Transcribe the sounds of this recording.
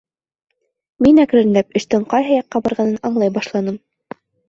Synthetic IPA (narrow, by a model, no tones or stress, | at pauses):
minækɾɘ̆ɾɘ̆næp̚ɘ̆ʃt̪ɘɴqɑjɦɤjɑqːɑbɑɾʁɑnɤnɑɴlˠɑjbɑʃlˠɑnɤm